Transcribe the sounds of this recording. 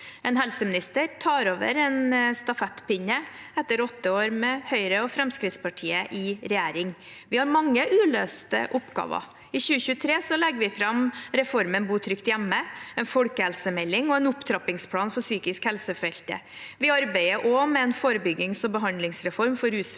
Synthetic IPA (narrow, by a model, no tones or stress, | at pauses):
ɛnɦɛlsəmɪnɪst̪əɾt̪ʰɑːɾoːʋə̰ɾɛnst̪ɑfɛt̪ːpɪɲəɛt̪ːəɾɔt̪ːəoːɾmɛhœʏɾəɔfɾɛmskɾɪt̪spɑʈʰiːəʔɪɾɛjæːɾɪŋ | ʋɪhɑɾmɑŋːəʔʉːløːst̪ə̰ʔʊpɡɑ̰ːʋɑ̰ | ɪçʉːəçʉːət̪ʰɾeːsɔlɛɡːəʋɪfɾɑmɾɛfɔɾmənbuːt̪ʰɾʏkt̪jæmːəɛnfɔlkəhɛlsəmɛlːɪŋɔɛnʊpt̪ʰɾɑpɪŋspʰlɑːnfɔsyːkɪskhɛlsəfɛlt̪ə̰ | ʋɪɑɾbæɪəɾʔɔmɛɛnfoːɾəbʏɡːɪŋsɔbəɦɑnd̪lɪŋsɾɛfɔɾmfɔɾʉːs